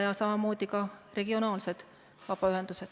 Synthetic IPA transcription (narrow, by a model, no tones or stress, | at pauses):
jɑsɑmɑmo̞ːd̪ikɑre̞ɡ̥io̞nɑːlse̞d̪̥ | vɑb̥ɑyɦe̞nd̪̥used̪̥